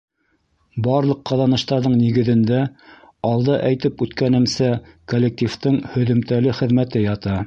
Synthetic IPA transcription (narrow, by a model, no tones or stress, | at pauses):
bɑɾlˠɤqːɑðɑnɤ̆ʃt̪ɑɾðɤɴniɡɘ̆ðɘ̆nd̪æ | ɑlˠd̪ɤʔæjt̪ɘpʉt̪kænɘ̆msækolʲːek̚t̪ʲift̪ɤɴhɵ̆ðɘ̆mt̪ælɘχɘ̆ðmæt̪ɘjɑt̪ɑ